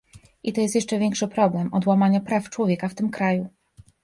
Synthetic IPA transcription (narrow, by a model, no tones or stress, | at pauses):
ʔit̪ɔjɛst̪jɛʂt͡ʂɛvʲjɛŋkʂɘpɾɔblɛmɔd̪wamaɲapɾaft͡ʂwɔvʲjɛkaft̪ɘmkɾaju